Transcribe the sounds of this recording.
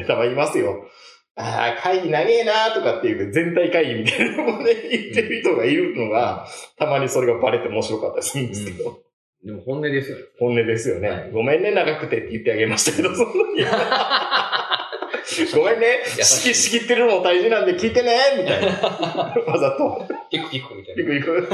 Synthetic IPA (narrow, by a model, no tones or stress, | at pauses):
t̪amaimasɨjo̞ | a̰ːkʰaiɡʲinaɡe̞ːnat̪o̞kat̪ːe̞jɯ̟d͡zẽ̞nt̪aikaiɡʲimʲit̪ainanoɡoneit̪ːeɾɯ̟çi̥t̪o̞ɡaiɾɯ̟no̞ɡat̪amaɲ̟iso̞ɾe̞ɡabaɾe̞t̪ːe̞omo̞ɕiɾo̞kat̪ːasɨɯ̃nd̪d̪esked̪o̞ | d̪emohõnːed̪esɨohõ̞nːe̞d̪e̞sɨjo̞ne̞ɡo̞mẽ̞nːe̞naɡakɯ̟̥t̪e̞t̪ːejɯ̟t̪ːe̞aɡe̞maɕi̥t̪ake̞d̪osõnːaɲi | ɡomẽ̞nːeɕi̥kʲiɕi̥kʲit̪ːe̞ɾɯ̟nod̪aiʑinãnd̪e̞kʲiːt̪e̞nemʲit̪ai | mazat̪okik | ikːɯikɯ